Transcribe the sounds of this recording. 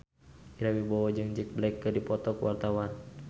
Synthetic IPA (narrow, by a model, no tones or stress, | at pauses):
iɾawibɔwɔd͡ʒɨŋd͡ʒək̚blaikːədipɔt̪ɔkuwart̪awan